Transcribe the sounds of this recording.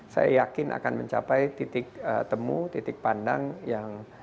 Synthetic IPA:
sa̰jajakɪnʔa̰kanmə̰ɲt͡ʃapajt̪it̪ɪk̚ət̪əmut̪it̪ɪk̚panda̰ŋjaŋ

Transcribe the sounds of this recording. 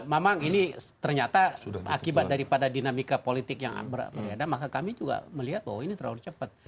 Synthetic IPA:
mamaŋinit̪ərɲat̪aakkibat̪̚daɾipadadinamikapolit̪ɪkja̰ŋ̰bərbəɾedamakakamid͡ʒuɡa̰məliɦat̪̚wa̰winit̪əɾauɾt͡ʃəpat̪̚

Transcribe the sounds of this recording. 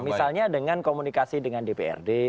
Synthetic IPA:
misalɲadəŋankomunikasidəŋandepeɛ̰rde

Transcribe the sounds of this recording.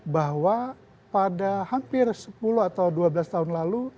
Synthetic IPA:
baɦwa | padahampɪrsəpuluat̪awduabəlast̪aɦʊnlalu

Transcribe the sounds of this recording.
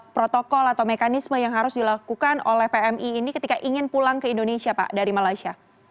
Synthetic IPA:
pɾot̪okɔlat̪awmekanisməjaŋɦaɾʊsdilakukano̰lɛhpeɛmʔiːnikət̪ikaʔiŋɪnpulaŋkəindonesiapa̰ʔdaɾimalajsia

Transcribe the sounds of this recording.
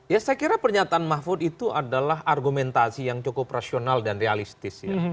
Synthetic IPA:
jasajakiɾapərɲat̪aːnmafʊt̪it̪uʔadalaɦʔarɡumɛnt̪asijaŋt͡ʃokʊprasionaldanrealist̪ɪsja̰

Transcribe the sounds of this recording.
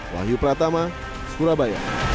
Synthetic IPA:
la̰ɦjupəɾat̪ama | sə̥kuɾabaja̰

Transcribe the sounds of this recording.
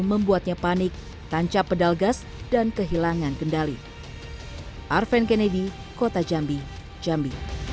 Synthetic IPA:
məmbuat̪̚ɲapanɪk̚ | t̪aɲt͡ʃapədalɡas | d̥ankəɦilaŋankəndalḭ | ʔarfɛnkenedi | kot̪ad͡ʒambi | d͡ʒambi

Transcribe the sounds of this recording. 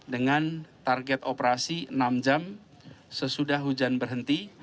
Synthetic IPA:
dəŋant̪arɡɛt̪opəɾasiənamd͡ʒam | səsudahɦud͡ʒanbərɦənt̪i

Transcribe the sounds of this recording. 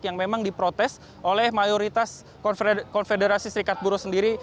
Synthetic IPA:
kjaŋmemaŋdipɾot̪ɛs | ʔolɛhmajoɾit̪as | kɔnfedeɾasisəɾikat̪̚buɾosəndiɾi

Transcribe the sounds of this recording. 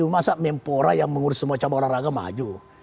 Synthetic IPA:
umasaʔmɛmpoɾajaŋməŋuɾʊsːəmuat͡ʃabaɾaɾaɡama̰d͡ʒu

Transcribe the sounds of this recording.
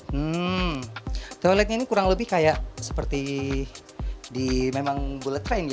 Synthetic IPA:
m̩ | t̪olɛt̪̚ɲainikuɾaŋləbɪhkajaʔsə̥pərt̪i | dimemaŋbulət̪ɾajnj

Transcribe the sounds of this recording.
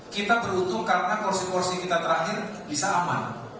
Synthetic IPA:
kit̪abəɾut̪ʊŋkarənakɔrsikɔrsikit̪at̪əɾaɦɪrbisaːma̰n

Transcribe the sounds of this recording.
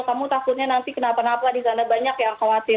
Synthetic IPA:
kamut̪apʊrɲanant̪ikənapanapadisanabaɲakjaŋkawat̪ɪ

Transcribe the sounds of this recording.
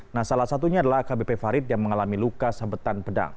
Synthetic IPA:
nahsalahsat̪uɲadalahkabepefaɾɪt̪̚jaŋməŋalamilukasabət̪anpəda̰ŋ

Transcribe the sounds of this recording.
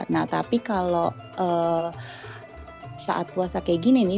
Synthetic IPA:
naht̪a̰pikalo | ʔə | sa̰ʔa̰t̪̚uasakeɡineni

